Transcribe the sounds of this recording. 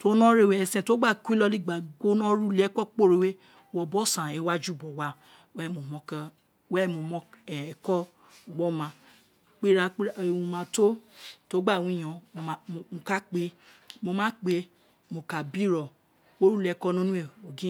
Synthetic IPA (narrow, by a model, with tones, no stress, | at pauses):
to˦nɔ̃˦ɾe˦˨we˨ɛ˧˨sɛ̃˧˨to˦ɡ͡ba˦˨ku˦i˦lɔ˧li˦˨ɡ͡ba˨ɡo˦nɔ̃˦ɾu˦lɛ˦kɔ˦k͡po˦˨ɾe˨˧we˦ | wɔ˧˨bɔ˦sã˨ɛ˨˦wa˦d͡ʒu˦˨bɔ˨wa˦ | wɛ˦˨mo˨mɔ̃˧˦kã˦ | wɛ˦˨mo˨mɔ̃˧˦ɛ˨kɔ˦ | o˨ɡ͡bɔ˦mã˧ | k͡pe˦ɾa˧k͡pũ˧mã˧to˦to˨˦ɡ͡ba˦˨wũ˨˦ĩ˦˨ɔ̃˨˧˨a˨mo˨˧ka˦k͡pe˧˦mo˧mãː˦k͡pe˧˦ | mo˨ka˨bi˦ɾɔ˨ | wo˦ɾu˦lɛ˧˦kɔ˦nũ˦nũ˦e˦˨o˨ɡĩ˦